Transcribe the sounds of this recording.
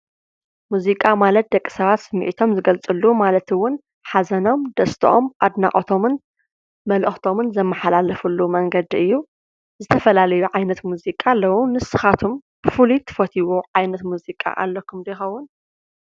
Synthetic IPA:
muzikʼamalɐt̪̚d̪ɐkʼːi̥sɐβat̪sɨmːḭʔit̪ʰo̞mzɨɡɐlt͡sʼɨlːumalɐt̪ɨwːʊn | ħazɐno̞md̪ɐst̪ʰɐʔo̞̰mʔad̪na̰ʔʼot̪ʰo̞mɨn | mɐlʔɨxt̪ʰo̞mɨnzɐmːɐħalalɐfulːumɐŋɡɐd̪iʔɨjːu | zɨt̪ʰɐfɐlalɐjuʕajnɐt̪muzikʼalːɐwunɨsɨxat̪ʰomb̥ɨfulit̪ʰɨ̥fɐt̪ʰiwoʕajnɐt̪muzikʼa̰ʔa̰lːɐkʰumd̪ɐjxɐwːʊn

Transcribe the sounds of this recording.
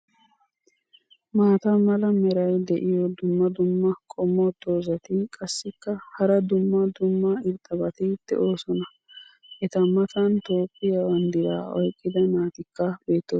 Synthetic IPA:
maːt̪ɐmɐlɐmɛɾɐjd̪ɛʔɪjɔd̪ʊmːɐd̪ʊmːɐkʼɔmːot̪ːo̞ːzɐt̪ɪkʼɐsːɪkːɐhɐɾɐd̪ʊmːɐd̪ʊmːɐɪɾt̪ʼɐbɐt̪ɪt̪ːɛ̰ʔo̞ːsɔnɐ | ʔɛt̪ɐmɐt̪ɐnt̪o̞ːpːɪjɐwɐnd̪ɪd̪aːɔjkʼːɪd̪ɐnaːt̪ɪkːɐbe̞ːt̪ːoː

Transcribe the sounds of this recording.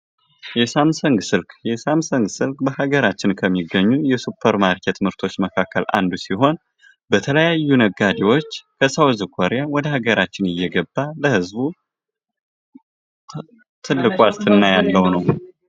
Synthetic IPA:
jɛsamsəŋɡsɨlkjɛsamsəŋɡsɨlkʼbəhaɡəɾat͡ʃːɪnkʰəmːiɡːəɲːujɛsupʰːəɾmaɾkʰɛt̪ʰmɨɾt̪ʰo̞t͡ʃːməkʰakːəlʔa̰nd̪usiɦo̞n | bət̪ʰələjajːunəɡːad̪ewo̞t͡ʃːkʰəsawzɨkʰoɾjawɔd̪əhaɡəɾat͡ʃːɪnɨjːɛɡəbːaləhɨzbu | t̪ʰɨlːɨkʼwast̪ʰɨnːajalːəwnəw

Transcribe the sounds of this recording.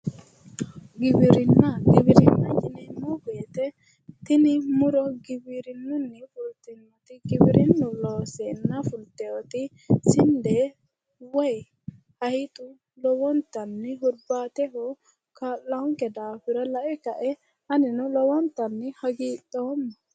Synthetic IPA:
ɡɪbɪɾɪnːɐɡɪbɪɾɪnːɐjɪnɛmːɔɡʊjɛt̪ɛ | t̪ɪnɪmʊɾɔɡɪbɪɾɪnːʊnːɪfʊlt̪ɪnːɔt̪ɪɡɪbɪɾʔɪnːʊloːsɛnːɐfʊlt̪ːɛwɔt̪ɪ | sɪnd̪ɛ | wɔj | hɐjɪt̪ʼʊ | lɔwɔnt̪ːɐnːɪɦʊɾbaːt̪ɛɦɔ | kaːlːɐhʊŋkɛd̪aːfɪɾɔlɐʔɛkɐʔɛ | ɐnɪnɔlɔwɔnt̪ːɐnːɪhɐɡiːtʼːɔwɔnːɐ

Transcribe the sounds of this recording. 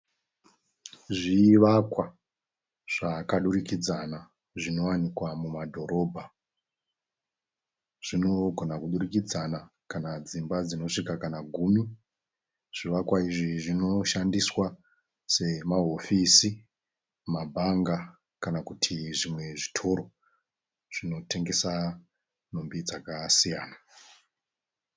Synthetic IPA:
ʐiːʋakwa | ʐ̥akaɗurikid͡zana | ʐino̞wanikwamumadʱo̞ɾo̞ːbʱa | ʐ̥ino̞ɡʱonakuɗurikid͡zana | kanad͡zimbad͡zino̞ʂikakanaɡʱumi | ʐ̥iʋakwaiʐiʐino̞ʃandiswa | se̞maɦo̞fisi | mabʱaŋɡa | kanakutʰiʐimwe̞ʐitʰo̞ɾo̞ | ʐ̥ino̞te̞ŋɡe̞sa | nombid͡zakasijaːna

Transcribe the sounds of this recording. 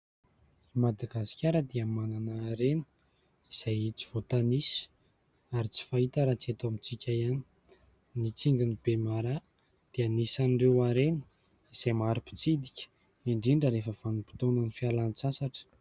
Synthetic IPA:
imad̪aɡasi̥kʲaɾəd̪iəmananaːɾenə̥ | iz̥ajit͡si̥v̥ot̪anisi̥ | aɾit͡si̥fait̪aɾat͡siet̪amit͡sikʲaiani̥ | nit͡siŋɡinib̥emaɾa | d̪̥ianisanirewaɾenə̥ | iz̥ajmaɾipi̥t͡sid̪ikʲə̥ | iɳɖ͡ʐiɳɖ͡ʐəɾefəvanupi̥t̪onanifialant͡sasaʈ͡ʂə̥

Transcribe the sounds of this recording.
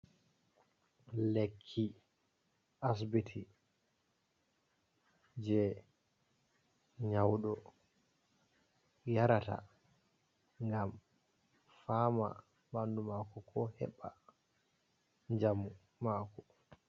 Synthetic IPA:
lekʰːi | ʔas̬bitʰi | d͡ʒɛ | ɲawɗɔ | jaɾata̰ | ŋɡam | faːma̰ | bandumaːkɔkʰɔhɛ̰ɓːa | ɲd͡ʒamu | maːkɔ

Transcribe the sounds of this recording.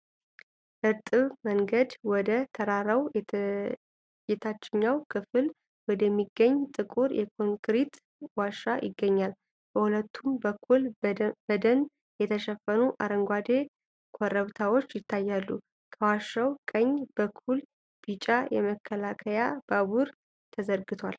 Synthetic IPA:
ʔɨɾt̪ʼɨβməŋɡəd̪wɔd̪ət̪ʰəɾaɾəwj | jɛt̪ʰat͡ʃːɪɲːawkʰɨfɨl | wɔd̪əmːiɡːəɲːt̪ʼɨkʼuɾjɛkʰoŋkɾit̪ | waʃːajɪɡːəɲːal | b̥əhulət̪ʰːumbəkʰːulbəd̪ən | jɛt̪ʰəʃɛfːənuʔaɾəŋɡʷad̪e̞ | kʰoɾəβt̪ʰawo̞t͡ʃːjɪt̪ʰːajːalːu | kʰəwaʃːawkʼəɲːb̥əkʰːul | b̥it͡ʃʼajɛməkʰːəlakʰəjab̥aβuɾ | t̪ʰəzəɾɡɨt̪ʰwal

